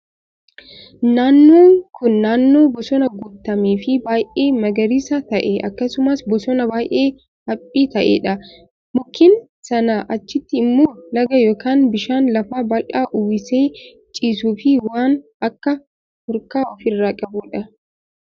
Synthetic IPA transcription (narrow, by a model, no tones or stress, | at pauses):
naːnːoːŋkʊnːaːnːoːbɔsɔnɐɡʊt̪ːɐmiːfɪbaːjʔeːmɐɡɐɾɪsɐt̪ɐʔeʔɐkːɐsʊmɐsbɔsɔnɐbaːjʔeː | hɐpʼːiːt̪ɐʔḛːᶑɐ | mʊkːɪn | sɐnɐʔɐt͡ʃːɪt̪ːɪːmːoːlɐɡɐjo̞ːkaːnbɪʃaːnlɐfaːbɐlʔaːʔʊwɪseː | t͡ʃʼiːsuːfɪwaːn | ɐkːɐ | hɔɾkaːɔfɪrːaːkʼɐbʊᶑɐ